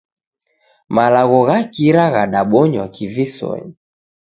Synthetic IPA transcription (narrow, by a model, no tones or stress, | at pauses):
malaɣɔɣakiɾaɣaɗaɓɔɲwakivisɔ̰ɲi